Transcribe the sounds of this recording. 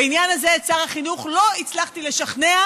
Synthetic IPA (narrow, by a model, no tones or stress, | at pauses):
injanazet͡saʁaχinuχlo̞it͡slaχt̪ile̞ʃaχne̞a